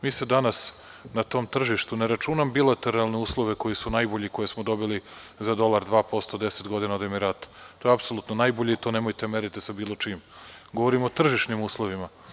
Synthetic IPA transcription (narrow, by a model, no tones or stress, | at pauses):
miːsed̪anas | nat̪o̞ːmt̪r̩ʒiʃt̪uneɾat͡ʃunambilˠat̪e̞ɾalˠne̞uːslˠo̞ʋe̞ko̞jisunajboʎikojesmod̪o̞bili | zad̪o̞lˠaɾd̪ʋaːpo̞st̪od̪eset̪ɡo̞d̪inaod̪emiɾat̪t̪ojeapsolˠuːt̪nonajboʎeit̪onemojt̪emeɾit̪isabiːlˠo̞t͡ʃimɡo̞ʋoɾimot̪r̩ʒiʃnimuːslˠo̞ʋima